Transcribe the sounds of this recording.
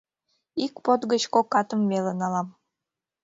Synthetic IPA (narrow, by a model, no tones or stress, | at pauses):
ikpot̪ɡət͡ɕkokːɑt̪əmːelənɑlɑm